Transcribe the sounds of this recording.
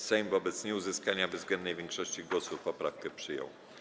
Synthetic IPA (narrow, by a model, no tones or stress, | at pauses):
sɛjmvɔbɛt̪sɲɛuzɘskaɲavzɡlɛnd̪nɛjvʲjɛŋkʂɔɕt͡ɕiɡwɔsufpɔpɾafkɛpʂɘjɔ̰w